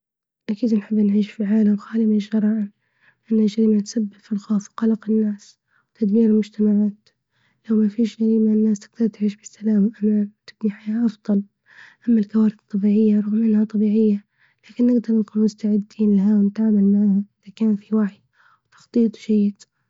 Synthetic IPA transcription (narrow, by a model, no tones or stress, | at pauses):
ʔakiːd̪nħɪbːnʕiːʃfilʕaːlamxaːlɪmaʒɑɾˤɑːʕɪn | ʔanːhaʒaɾiːmat̪sabːɪbfilxoːfwqɑlɑqɪnːaːs | wt̪ʰad̪miːɾɪlmʊd͡ʒt̪amaʕaːt̪ | lawmafiːʃʒaɾiːmaɪnːaːst̪ɪ̥ɡt̪aɾˤt̪ʕiːʃbɪsːalaːmaʔamat̪ɪbniħajaːʔɑfd̪ˤɑl | ʔamːalkawaːɾɪθt̪ˤːɑbiːʕɪjːaɾˤʊɣmʔɪnhat̪ˤɑbiːʕɪjːa | laːkɪnːɪɡd̪ɑɾˤnkuːnmʊst̪aʕɪd̪ːiːnlaɦawnɪt̪ʕaʕmalmaʕahaʔɪðakaːnfiwaħi | wt̪ɑ̥xt̪ˤiːt̪ˤʒajːɪd̪